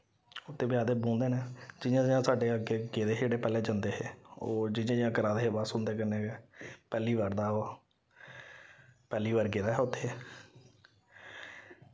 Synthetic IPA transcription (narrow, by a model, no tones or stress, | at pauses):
ʊt̪ʰːeːbɪjaːd̪eːbõːnd̪eːnɛːd͡ʒɪjãːd͡ʒɪjãːsaːɖeːəɡeːɡeːd̪eːɦed͡ʒeːɽeːpɛːleːd͡ʒənd̪eːɦeːoːd͡ʒɪãːd͡ʒɪjãːkəɾaːd̪eːɦeːbaːsʊ̃nd̪eːkənːeːepɛːliːʋaːɾd̪aːoː | pɛːliːʋaːɾɡeːd̪aːɦɛʊt̪ʰːeː